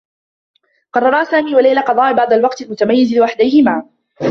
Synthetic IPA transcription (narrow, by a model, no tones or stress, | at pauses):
qɑrˤːɑɾˤɑːsaːmiːwalajlaqɑd̪ˤɑːʔbɑʕd̪ˤɑlwɑqt̪almʊt̪amajːɪzɪlwaħd̪ajhɪmaː